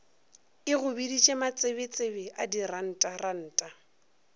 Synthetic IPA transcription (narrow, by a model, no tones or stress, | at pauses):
ɪɣʊbidit͡ʃʼemat͡sʼebɪt͡sʼebɛʔadiran̩ːtʼaran̩ːtʼa